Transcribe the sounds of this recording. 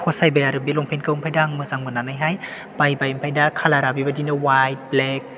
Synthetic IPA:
hɔsajbajaɾɯbiloŋpʰenkɯwmpʰajdaŋmɯzaŋmɯnanajɦaj | b̥ajbajmpʰajdakʰalaɾabibadinɯwajt̚blek̚

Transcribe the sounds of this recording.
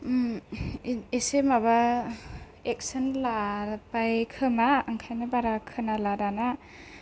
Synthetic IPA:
esemaβa | ek̚sɯnlaɾpajkʰɯmaːŋkʰajnɯbaɾakʰɯnalaɾana

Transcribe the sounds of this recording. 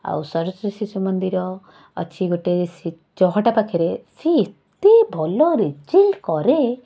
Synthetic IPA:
a̰wsɔɾɔsɾesisumənd̪iɾɔ | ə̰t͡ʃʰiɡoʈeɾesi | d͡ʒɔɦɔʈapakʰeɾesiːt̪ebʱɔlɔɾed͡ʒilkɔɾe

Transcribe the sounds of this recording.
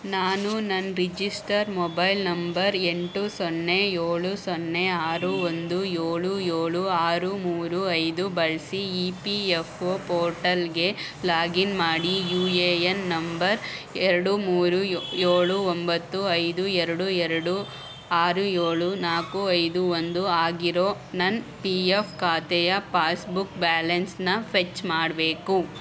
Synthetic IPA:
naːnunɐnːɾid͡ʒisʈɐɾmɔbɐjlnɐmbɐɾeɳʈusɔnːejeːɭusɔnːeaːɾuond̪ujeːɭujeːɭuaːɾumuːɾuɐjd̪ubɐɭsiiːpiefʰoːpɔːɾʈɐlɡe̞ | laːɡinmaːɽijuːeːjenːɐmbɐɾɛɾɐɽumuːɾujeːɭuombɐt̪ːuɐjd̪uɛɾɐɽuɛɾɐɽu | aːɾujeːɭunaːkuɐjd̪uond̪uaːɡiɾo̞ː | nɐnpiepʰkaːt̪ɛjɐpaːsbukbaːlɐnsnɐpʰet͡ʃːmaːɽbe̞ːku

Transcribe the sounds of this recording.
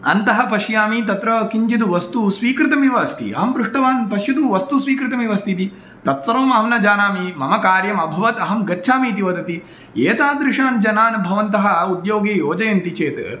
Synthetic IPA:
ɐnt̪ɐɦɐpɐʃjaːmit̪ɐt̪ɾɐkiɲt͡ʃit̪uʋɐst̪usʋiːkɾɪt̪ɐmiʋɐst̪ʰḭɐ̰ɦɐmpɾuʂʈɐʋaːnpɐʃjɐd̪uʋɐst̪usʋiːkɾɪt̪ɐmiʋɐst̪ʰit̪i | t̪ɐt̪sɐɾɐːmɐɦɐmnɐd͡ʒaːnaːmimɐmɐkaːɾjɐmɐbʱɐʋɐt̪ɐɦɐmɡɐtːʃʰaːmiːt̪iʋɐd̪ɐt̪i | eːt̪aːd̪ɾɪʂaːnd͡ʒɐnaːnbʱɐʋɐnt̪ɐɦɐ̆ud̪joːɡeːjoːd͡ʒɐjɐnt̪it͡ʃeːt̪

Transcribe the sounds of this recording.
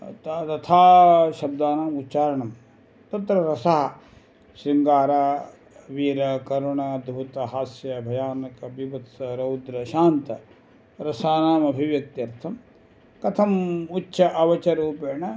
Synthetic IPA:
t̪t̪ɐt̪ʰaːʃɐb̚d̪aːnaːmut̪ːt͡ʃaːɾɐɳɐm | t̪ɐt̪ɾɐɾɐsaɦɐ̆ | ʃɾiŋɡaːɾaː | ʋiːɾɐkɐɾuɳɐd̪ʱbut̪ɐɦaːsjɐbʱɐjaːnɐkɐbiʋɐt̪sɐɾɐwd̪ɾɐʃaːnt̪ɐ | ɾɐsaːnaːmɐbʱiʋjɐk̚t̪iɐɾt̪ʰɐm | kɐt̪ʰɐmutːʃɐʔɐʋɐt͡ʃɐɾuːpeːɳɐ

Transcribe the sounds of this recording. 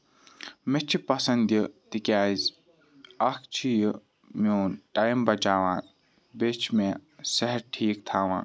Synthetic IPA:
met͡ʃʰipɐsɐnd̪jit̪ikjaːz | ɐkʰt͡ʃʰij | moːnʈaːjmbɐt͡ʃaːʋãː | bet͡ʃʰmẽsɐɦɐɾʈʰiːk̚t̪ʰaːʋã̰ː

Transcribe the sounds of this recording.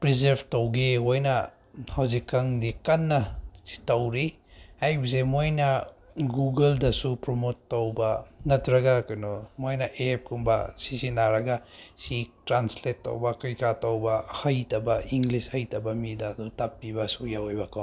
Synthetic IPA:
pɾizeɾbtowɡiojnɐ | hawzikːɐŋdikɐnːɐsi̥tɐwɾi | ajbis̬emojnɐɡuɡeldɐsupɾomotːowbɐnɐtɾɐɡakɐnomojnɐʔep̚kumbɐ̰sisinaɾɐɡasitɾansletːo̰wbɐkɾikatawbɐhɐjtɐbɐʔiŋɡlishɐjtɐbɐmidaːdutapːibɐsujaojbɐkaw

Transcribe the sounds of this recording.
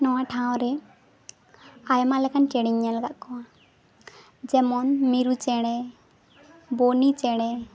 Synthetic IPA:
nɔwaʈʰãw̃ɾɛ | ajmalɛkant͡ʃɛɽiɲːalaɡaʔkɔwa | d͡ʒɛmɔnmiɾut͡ʃɛɽ̃ɛ | bonit͡ʃɛɽ̃ɛ

